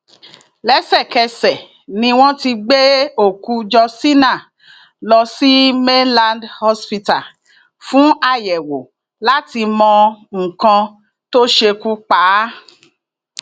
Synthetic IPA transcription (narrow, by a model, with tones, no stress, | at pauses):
lɛ˦sɛ˦˨kɛ˧sɛ˨ | nĩ˧w̃ɔ̃˦ti˧ɡ͡be˦o˦˨ku˧d͡ʒɔ˧si˦nã˦˨ | lɔ˧si˦me˦nlã˧ndhɔ˦spi˧ta˨ | fũ˦a˦˨jɛ˨wo˨ | la˦ti˧mɔ̃˧ŋ̩˨kã˧ | to˦ʃe˧ku˦k͡paː˨˦